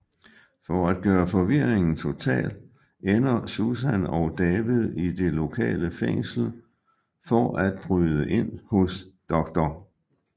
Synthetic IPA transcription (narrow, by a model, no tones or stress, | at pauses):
fɒæd̥̚ɡ̥ɶːɐfɒʋiɐ̰eŋn̩t͡sʰo̝t͡sʰɛ̰ːl | enɐsusænɒʊd̥ɛːʋið̞ˠid̥e̝lo̝kʰɛ̰ːləfeŋ̰sl̩ | fɒʔæd̥̚b̥ʁyːðˠəʔe̝n̰hɔ̽sd̥ɒ̽ɡ̥̚d̥ɒ